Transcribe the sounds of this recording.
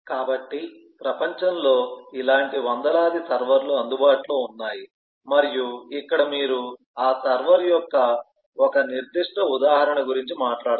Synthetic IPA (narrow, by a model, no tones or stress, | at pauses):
kaːbɐʈːi | pɾɐpɐɲt͡ʃɐmlo̞ːilaːɳʈiʋɐnd̪ɐlaːd̪isɐɾʋɐɾluɐnd̪ubaːʈloːunːaːji | mɐɾijuikːɐɽɐmiːɾu | aːsɐɾʋɐɾjɔkːɐ | ɔkɐniɾd̪iʂʈɐud̪aːɦɐɾɐɳɐɡuɾiɲt͡ʃimaːʈlaːɽ